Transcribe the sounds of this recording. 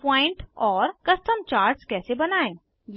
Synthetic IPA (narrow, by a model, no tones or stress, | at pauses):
pɔ̃ːɪ̃ɳʈɔːɾkɐsʈəmt͡ʃaːɾʈskɛːsebɐnaːẽː | j